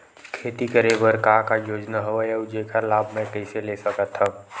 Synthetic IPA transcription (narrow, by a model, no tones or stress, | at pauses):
kʰeːt̪ikəɾeʋəɾkaːkajoːd͡ʒnaɦoajəʊd͡ʒekalaːbʱmɛ̃kɛɪseleːsəkət̪ʰha